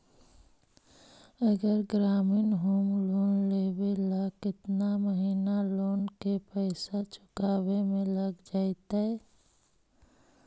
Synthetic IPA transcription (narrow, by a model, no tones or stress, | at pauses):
əɡəɾɡɾaːmiːnɦoːmloːnleːbelakɪt̪naməɦiːnaloːnkepɛɪsat͡ʃʊ̥kaːwemẽləɡd͡ʒaːt̪aɛ